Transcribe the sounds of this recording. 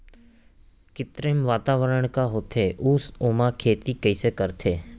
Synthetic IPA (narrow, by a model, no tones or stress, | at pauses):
kɪt̪ɾemʋaːt̪aːʋəɾəɳ̃kaɦoːt̪ʰeːʔʊsoːmãkʰeːt̪ikəisekəɾt̪ʰeː